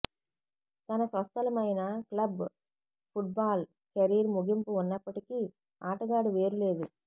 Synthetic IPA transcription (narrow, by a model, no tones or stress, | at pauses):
t̪ɐnɐsʋɐst̪ɐlɐmɐjnɐklɐb | pʰuʈ̚baːl | kɐɾiːɾmuɡimpuːnːɐpːɐʈiki | aːʈɐɡaːɖuʋe̞ːɾule̞ːd̪u